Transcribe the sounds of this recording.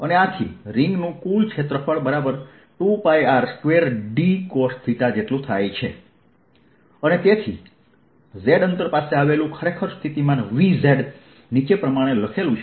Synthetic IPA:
əneat̪ʰḭɾɪŋɡnũkult͡ʃʰet̪ɾəfʰəɭbəɾabəɾ | ʈupajaɾskʋeɾɖikost̪ʰit̪ad͡ʒeʈlũt̪ʰajt͡ʃʰe | ənet̪et̪ʰḭ | zeɖənt̪əɾpaseaʋelũkʰəɾekʰəɾst̪ʰit̪imãnʋizeɖ | nit͡ʃepɾəmaɽ̃eləkʰelũt͡ʃʰ

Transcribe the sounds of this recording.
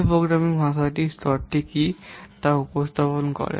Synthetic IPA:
pɾoɡɾamiŋbʱãsaʈistɔɾʈːekit̪aupɔst̪ʰapɔnkɔ̰ɾɛ̰

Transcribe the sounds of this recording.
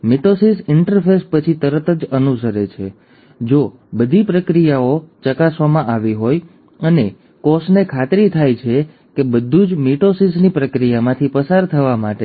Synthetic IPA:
miʈosisɪɳʈəɾfespət͡ʃʰit̪əɾət̪əd͡ʒənusəɾet͡ʃʰe | d͡ʒo | bəd̪ʱipɾəkɾijaot͡ʃəkasʋamãʔaʋiɦoj | əne | kɔsnekʰat̪ɾit̪ʰajt͡ʃʰe | kebəd̪ʱːũd͡ʒmiʈosisnipɾəkɾijamãt̪ʰipəsaɾt̪ʰəʋamaʈe

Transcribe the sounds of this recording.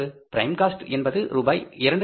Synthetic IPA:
ɯpɪɾɐɪmkaːsʈɛnbɐðɯɾuːbaːjɪɾɐɳɖ

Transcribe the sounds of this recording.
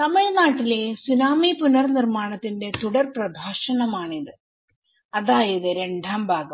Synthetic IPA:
t̪ɐmɐɭnaːʈːile̞sunaːmipunɐrnirmaːɳɐt̪ːinde̞t̪uɽɐrprɐbʱaːʂɐnɐmaːɳiðɨ | ɐðaːjɐðɨɾeɳɖaːmbʱaːɡɐmm

